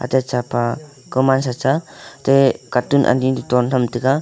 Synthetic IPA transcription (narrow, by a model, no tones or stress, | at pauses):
a̰tet͡ʃapa | kɯmansat͡ʃatekatunʔa̰nintɔntamtɯɡa